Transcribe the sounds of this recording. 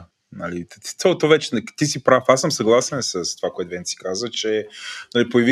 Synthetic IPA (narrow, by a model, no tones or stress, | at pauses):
nalit̪i̥t̪ɛalˠot̪ɔvɛt͡ʃɛnt̪isipɾafasːəmsɐɡlˠasɛnsəst̪ovakoɛt̪vɛnsi̥kazvət͡ʃɛnalipojɐvi